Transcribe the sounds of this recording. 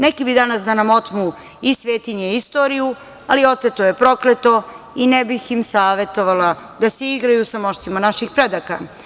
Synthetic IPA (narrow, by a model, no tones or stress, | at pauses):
nekibid̪anasd̪anamo̞t̪mu | isʋe̞ːt̪iɲeist̪o̞ɾiju | alio̞t̪et̪ojepɾo̞klet̪o̞ | inebiximsaːʋe̞t̪o̞ʋala | d̪aseiɡɾajusamo̞ʃt̪imanaʃixpɾed̪aka̰